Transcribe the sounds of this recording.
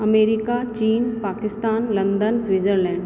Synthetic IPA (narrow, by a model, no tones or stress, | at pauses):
ɐmeːɾɪkat͡ʃiːnpaːkɪst̪aːnlɐ̃nd̪ənsʋiːd͡ʒəɾlɛ̃ːɳɖ